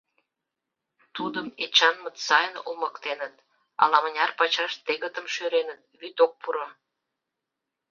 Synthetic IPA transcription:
t̪ud̪əmet͡ɕɑnmə̆t̪sɑjənomə̆kt̪enət̪̚ | ɑ̰lɑmənʲɑrpɑt͡ɕɑʃt̪eɣət̪əmʃøɾenət̪̚βyt̪ok̚puɾɑ

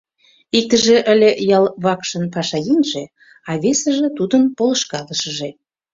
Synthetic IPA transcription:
ik̚t̪əʒĕʔə̆lʲejɑlˠβɑkʃə̆npɑʃɑjenʲʒe | ɑβesə̆ʒĕt̪ud̪ənpolə̆ʃkɑləʃə̆ʒe

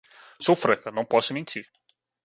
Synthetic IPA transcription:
sowfɾɐkɐnɐ̃w̃pɔsʊmẽnt͡ʃ̪iɾ

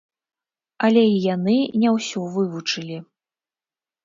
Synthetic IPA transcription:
ɐlʲɛijanɨnʲɛwsʲɔvɨvut͡ʂɨlʲi

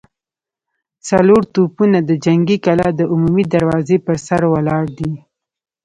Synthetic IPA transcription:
t͡saloɾt̪upunad̪əd͡ʒaŋɡikalɑd̪əʔʊmumid̪aɾwɑzepəɾsaɾwalɑɾd̪i

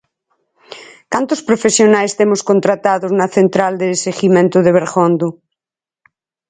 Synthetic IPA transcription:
kant̪ospɾofesjonaest̪emoskont̪ɾat̪aðoznaθent̪ɾald̪eseɣimẽnt̪oðeβ̞eɾɣond̪u

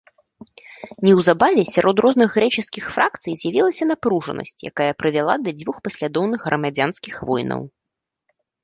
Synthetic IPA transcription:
nʲɛwzabavʲɛsʲaɾʔɔd̪rɔznɨɣːɾɛt͡ʂɨskʲixfɾakt̪sɨjzʲjavʲilˠɐsʲɐn̪apɾuʐɐ̰nʔɐ̰sʲt͡sʲja̰kajɐpɾɨvʲalˠad̪ɐd͡zʲvuxpɐsʲlʲad̪ɔwnɨɣɣɾɐmad͡zʲanskʲixvɔjnɐ̰w

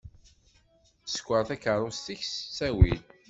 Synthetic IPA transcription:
sə̥kʷːəɾθækəɾˤost̪içssæwil

